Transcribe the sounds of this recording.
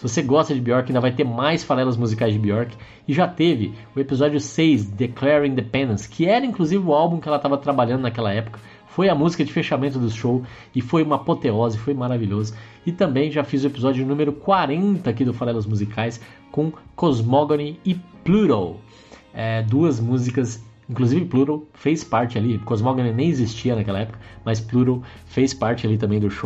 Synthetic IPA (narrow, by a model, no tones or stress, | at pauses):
svoseɡɔst̪ɐd͡ʒɪbiɔɾkaĩd̪ɐvajt̪eɾmajsfaɾɛlɐzmuzikajzd͡ʒɪbiɔɾkɪ̥ | ɪʒat̪evɪʊepizɔd͡ʒjʊsejsd̪eklɛɾĩnd̪epẽnd̪ẽskʰɪɛɾɐĩŋkluzivɪʊawbũkɪɛlɐt̪avɐt̪ɾabaʎɐ̃d̪ʊnakɛlɐɛpʊ̥kɐ̥ | fojɐmuzikɐd͡ʒɪfeʃamẽnt̪ʊd̪ʊʃow | ɪfojũmɐpot̪eɔzɐɪfojmaɾaviʎozɐ | ɪt̪ɐ̃mbẽj̃ʒafizʊepizɔd͡ʒʊʊnũmeɾʊkwaɾẽnt̪ɐːkid̪ʊfaɾɛlʊzmuzikʰajs | kõkozmoɡonɪɪpluɾow | ɛd̪uɐzmuzikɐsĩkluzivɪpluɾowfejspaɾt͡ʃɪalikozmoɡonɪnẽj̃ezist͡ʃiɐnɐkɛlɐɛpʊ̥kɐ̥mɐspluɾow | fejspaɾt͡ʃɪalit̪ɐ̃mbẽj̃d̪ʊʃow